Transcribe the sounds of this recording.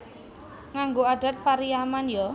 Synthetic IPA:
ŋaŋɡoad̥a̤t̪̚paɾiamanjɔ

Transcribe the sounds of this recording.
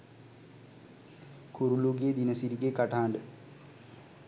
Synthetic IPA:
kuɾuluɡeːd̪inɐsiɾiɡekaʈaːɳɖə

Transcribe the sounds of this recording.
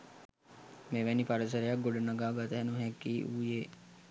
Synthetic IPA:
meʋɛnipɐɾəs̬əɾejak̚ɡoɖənaɡaːɡat̪əɦɛnuɦɛkːiːʔuːje

